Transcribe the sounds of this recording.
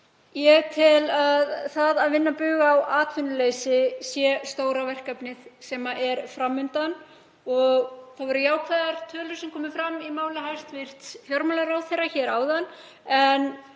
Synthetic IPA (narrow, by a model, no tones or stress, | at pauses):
jɛɣt̪ʰɪlaðθaðaðvɪnːapʏɣaːwʔaːt̪vʏnːʏleːjsɪsjɛst̪oːwɾavɛr̥kapnɪðsɛːmaʔɛɾfɾamːʏnt̪an | ɔɣθaðvɔɾʏjaːwkʰvɛðaɾ̥t̪ʰœːlʏɾ̥sɛmkʰɔːmɪfɾamimaːwlɪɦajst̪vɪr̥t̪sfjɔɾmalaɾawθejraçɛːɾaːwðan | ɛn